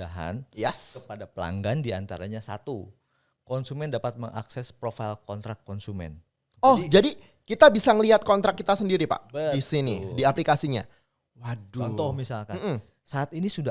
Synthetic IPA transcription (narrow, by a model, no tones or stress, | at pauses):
aɦa̰njɛskəpadapəla̰ŋɡandiant̪aɾaɲasa̰t̪u | kɔnsumɛndapat̪̚məŋʔa̰ksɛspɾofajlkɔnt̪ɾakːɔnsumɛ̰n | ɔhd͡ʒadi | kit̪abisaŋəliɦat̪̚kɔnt̪ɾakːit̪asəndiɾipa̰ʔbədisinidiaplikasiɲa̰ | waduɔnt̪ɔhmisalkamnm̩ | saːt̪inisuda